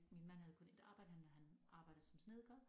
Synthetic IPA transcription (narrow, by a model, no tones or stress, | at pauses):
minmænhæðˠkɔ̽ne̝d̥ɑ̈ːb̥ɑ̈ɪd̥hæmnæɦænʔɑ̈ːb̥ɑ̈ɪdð̩ˠsɒ̽msneðˠɡ̥ɒ